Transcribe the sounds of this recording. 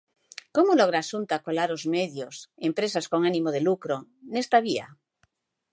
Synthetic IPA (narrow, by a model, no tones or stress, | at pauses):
komoloɣ̞ɾaːsunt̪akolaɾozmeðjosempɾesasko̞ŋanimoð̞elukɾonest̪aβia̰